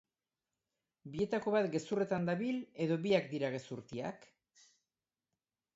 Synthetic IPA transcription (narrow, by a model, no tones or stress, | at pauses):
bie̞t̪ako̞βat̪ɡe̞sure̞t̪and̪aβile̞ðo̞βiakd̪iɾaɣ̞e̞suɾt̪ia̰k